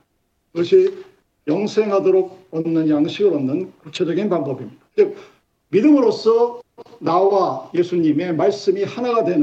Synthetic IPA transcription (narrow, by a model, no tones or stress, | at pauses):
kiɡʌɕʰi | jʌŋsʰe̞ŋɦadoɾoɡ̚ʌnnːɯnjaŋɕʰiɡɯɾʌnɯnkut͡ɕʰe̞d͡ʑʌɡinpaŋbʌbimɲid̥at͡ɕik̚ | midɯmɯɾos͈ʰʌnawaje̞sʰuɲime̞maɭs͈ɯmihanadwe̞n